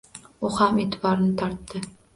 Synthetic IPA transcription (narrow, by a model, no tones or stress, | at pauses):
ʊhamet̪ʰɪbɒɾɪnɪt̪ʰɒɾt̪ːɪ